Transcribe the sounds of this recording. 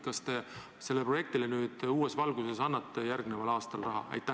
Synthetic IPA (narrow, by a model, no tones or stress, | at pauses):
kɑst̪e̞ | se̞lːepro̞je̞k̚t̪ilenyːd̪̥uːe̞svɑlɡuse̞sɑnːɑt̪ːejærɡne̞vɑlɑːst̪ɑlrɑɦɑ̰ɑ̰jt̪ːˑæ